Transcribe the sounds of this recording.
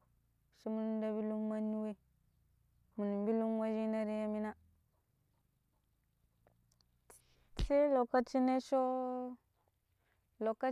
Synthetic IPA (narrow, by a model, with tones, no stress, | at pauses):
ʃi˦mu˦nu˦n˦da˦bi˦lu˦mma˦nːi˦we˦ | mu˨ni˨mbi˦lu˦ŋwa˦d͡ʒi˦na˦ɾi˦ja˦mi˦na˦ | se˦lo˨ka˦t͡ʃi˦ne˦ʃo˦ | lo˨kːa˦